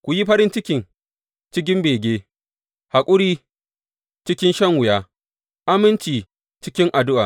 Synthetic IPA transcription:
kʷu˨ji˦ɸɐ˦ɾɪ˦nt͡ʃɪ˦kʲɪ˨ŋ | t͡ʃɪ˦k̬ʲɪ˦mbeː˨ɡʲeː˦ | ha˨kʷʼʊ˦ɽiː˦ | t͡ʃɪ˦kʲɪ˦nʃɐ˦ŋwʊ˨jaː˦ | ʔa˦mɪ˦nt͡ʃiː˨ | t͡ʃɪ˦kʲɪ˦ŋʔa˨dʊ˦ʔaː˨

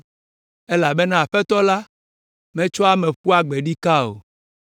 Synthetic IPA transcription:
e˦la˨be˦nã˦˨a˨ɸɛ˦t̪ɔ˦la˦ | mɛ̃˦t͡ʃɔ˦a˦mɛ̃˨ɸu˦a˦ɡ͡be˨ɖi˦ka˦o̰˨

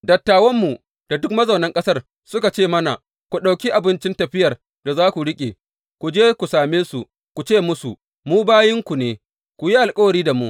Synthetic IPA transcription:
dɐ˨tːaː˨wɐ˦mːu˨ | d̥a˨dʊ˦kmɐ˦zɐ˨nɐ˦ŋkʼɐ˦sɐ˦r | sʊ˦ka˨t͡ʃeː˦˨mɐ˦na˨ | kʷu˨ɗa˨wkʲi˦ʔa˨bɪ˦nt͡ʃɪ˦ntɐ˨ɸɪ˦jɐ˨r | da˨zaː˦kʷu˨ɽɪ˦kʲʼḛ˨ | kʷu˨d͡ʒeː˦kʷu˨saː˨meː˦su˨ | kʷu˨t͡ʃeː˦˨mʊ˦sṵ˨ | muː˦baː˦jɪ˦ŋkʷu˨neː˨ | kʷu˨ji˦ʔa˨lkʼɐ˦wɐ˨ɾiː˦da˨mṵ˦ʔ

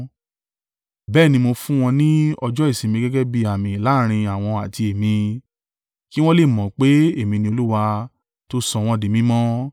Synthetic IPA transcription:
bɛː˦˨nĩ˧mo˧fũ˦w̃ɔ̃˧nĩ˦ɔ˧d͡ʒɔ˦i˦˨sĩ˨˧mĩ˧ɡɛ˦ɡɛ˦bi˧˦a˨mĩ˨la˨˦ɾ̃ĩ˧a˨w̃ɔ̃˧a˨ti˧e˨mĩ˧ | ki˦w̃ɔ̃˦le˦˨mɔ̃˨k͡pe˨˦e˦˨mĩ˧nĩ˧o˧lu˦wa˧ | to˦sɔ̃˧w̃ɔ̃˧di˨mĩ˨˦mɔ̃˦

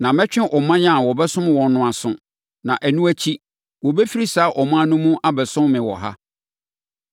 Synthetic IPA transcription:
nã˨mɛ̃˦t͡ɕᶣɪ̃˦ʔɔ˨mã˦ɲã˦˨wɔ˨bɛ˦sʊ̃˦m˨wɔ̃˨n˦nʊ̃˦˨a˨sʊ̰̃˨ | nã˨ʔæ˨nũ˦æ˦t͡ɕʰi˦ | wɔ˨bɛ˦fi˦ɾi˦saː˨˦ʔɔ˨mã˦nʊ̃˦mũ˦ʔa˦bɛ˨sʊ̃˦mmɪ̃˨wɔ̰˨ɦa̰˦

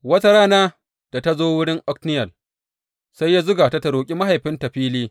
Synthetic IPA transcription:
wɐ˦ta˦ɾaː˦naː˦ | d̥a˨ta˦zoː˦wʊ˦ɽɪ˦ŋʔɔ˦knɪ˦jɐ˨l | sa˦jːaː˦zʊ˦ɡaː˨ta˦tɐ˨ɽoː˨kʲʼi˦ma˦ɦa˨jɸɪ˦ntɐ˨ɸiː˦liː˦

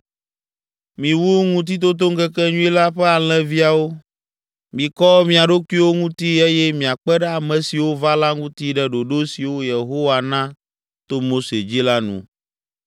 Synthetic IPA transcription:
mĩ˨wu˦ŋũ˦t̪̬i˦t̪̬o˦t̪̬o˦ŋ˦ɡɛ˦kɛ˦ɲũ˦i˦la˦ɸɛ˦a˨l̃ɛ̃˦vi˦a˨wo˦ | mĩ˨kɔ˦mĩ˨a˨ɖo˦ku˦i˦wo˦ŋũ˦t̪i˦e˦jɛ˦mĩ˨a˨k͡pɛ˦ɖɛ˦a˨mɛ̃˨si˨wo˦va˦la˦ŋũ˦t̪i˦ɖɛ˦ɖo˨ɖo˦si˨wo˦je˨ɦo˦wa˨nã˦ | t̪o˦mo˦se˨d͡ʑi˦la˦nṵ̃˨

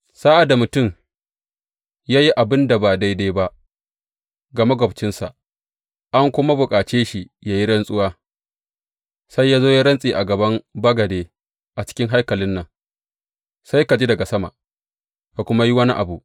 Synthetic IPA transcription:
saː˦ʔa˨da˨mʊ˨tʊ˦˨m | jaː˦ji˦ʔa˨bɪ˦nda˨baː˨da˦jda˦jba˦ʔ | ɡɐ˨ma˦ɡɐ˨bt͡ʃɪ˦nsa̰˨ʔ | ʔa˦ŋkʷʊ˦ma˦bʊ˨kʼaː˨t͡ʃeː˦ʃi˨jaː˦ji˦ɽɐ˦nsʼʊ˦waː˦ | sa˦jːaː˦zoː˦ja˦ɽɐ˦nsʼiː˨ʔa˨ɡɐ˨bɐ˦mbɐ˦ɡɐ˨deː˦ | ʔa˨t͡ʃɪ̥˦kʲɪ˦ŋɦa˦jkɐ˨lɪ˦nːɐ˨ŋ | sa˦jka˨d͡ʒi˦dɐ˨ɡa˨sɐ˦ma̰˨ʔ | ka˨kʷʊ˦ma˦ji˦wɐ˦ni˦ʔa̰˨bu˨ʔ

